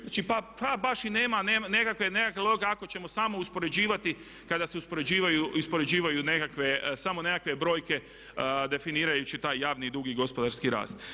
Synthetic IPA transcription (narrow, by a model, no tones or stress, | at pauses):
at͡ʃipapabaʃineːmaneːmane̞kakʋe̞ne̞kakelo̞ɡeako̞t͡ɕe̞mo̞saːmo̞uspo̞ɾe̞d͡ʑiːʋat̪i | kad̪aseuspo̞ɾed͡ʑiːʋajuispo̞ɾe̞d͡ʑiːʋajune̞kakʋe̞samo̞ne̞kakʋe̞bɾo̞ːjke̞ | d̪e̞finiːɾajut͡ɕit̪aːjːaːʋnid̪ɾuɡiɡo̞spo̞d̪aɾskiɾa̰ːst̪